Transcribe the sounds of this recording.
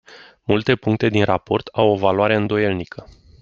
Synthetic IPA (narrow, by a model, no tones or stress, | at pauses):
mult̪e̞puŋk̚t̪e̞d̪inrapo̞rt̪ʰawo̞valuaɾe̞ɨnd̪o̞je̞lnikʰə